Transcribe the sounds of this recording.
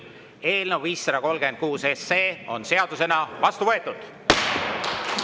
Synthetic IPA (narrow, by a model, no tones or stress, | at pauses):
e̞ːlnəvviːsːɑd̪ɑko̞lɡ̥e̞n̚kuːse̞sːe̞ːo̞̰nse̞ɑd̪̥use̞nɑvɑst̪uvɤ̞e̞t̪ːˑud̪̥